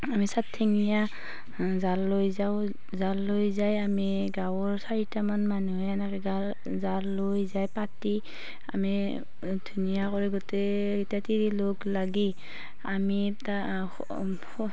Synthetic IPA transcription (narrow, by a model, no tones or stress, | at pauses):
amisatʰːeŋija | zalːojzaw | zalːojzajami | ɡawɔɹsaɹitamanmanuɛanakɛɡal | zalːojzajpati | a̰mi | d̥ʱunijakɔɹiɡɔtɛ | itatiɹiloklaɡi | ami | ta